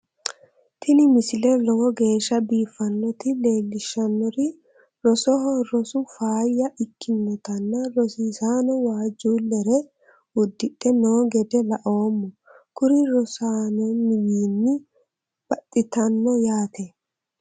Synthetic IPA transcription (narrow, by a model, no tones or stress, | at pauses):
t̪ʰɪnɪmɪsɪlɛlɔɔɡe̞ːʃːɐbiːfːɐnːɔt̪ɪleːlːɪʃːɐnːɔɾɪ | ɾɔsɔɦɔɾɔsʊfaːjːɐʔɪkʰːɪnːɔt̪ɐnːɐɾɔsisaːnɔwaːd͡ʒːuːlɛɾɛ | ʊd̪ːɪtʼːɛnoːɡɛd̪ɛlɐʔo̞ːmːɔ | kʊɾɪɾɔsaːnɔmɪwiːnːɪ | b̥ɐt̪ʼːɪt̪ɐnːɔjaːt̪ɛ